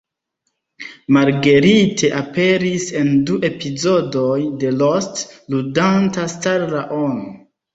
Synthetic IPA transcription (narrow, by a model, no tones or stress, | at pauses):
maɾɡe̞ɾitʰe̞ʔape̞ɾise̞nduʔe̞pizo̞do̞jde̞lostludantastaɾlaʔono